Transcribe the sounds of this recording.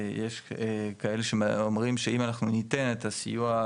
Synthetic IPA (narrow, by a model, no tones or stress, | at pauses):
jeʃekae̞leʃemomʁimʃe̞imanaχnunite̞netasijua